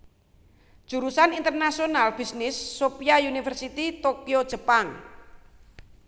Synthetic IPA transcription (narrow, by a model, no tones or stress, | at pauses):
d̥ʒ̥ṳɾusanint̪ərnasionalb̥isnɪsːopijaunifɛrsit̪it̪okiod̥ʒ̥ə̤paŋ